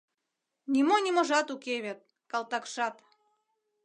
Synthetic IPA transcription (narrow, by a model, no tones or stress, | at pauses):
nʲimonʲimoʒɑt̪ukeβet̪̚ | kɑlt̪ɑkʃɑt̪